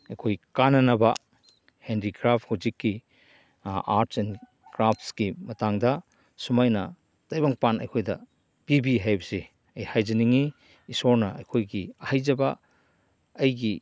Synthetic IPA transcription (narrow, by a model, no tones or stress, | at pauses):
ɐjkʰojkanɐnɐbɐ | hendikɾap̚ʰhuwzikːi | aɾtʰsen | kɾap̚ʰskimɐtaŋdɐ | sumajnɐ | tajbaŋpanɐjkʰojdɐ | b̥ibiɦajbɐse | ɐjhajd͡ʒɐniŋiː | soɾnɐɐ̰jkʰojɡiɐhajzɐbɐ̰ː | jɡi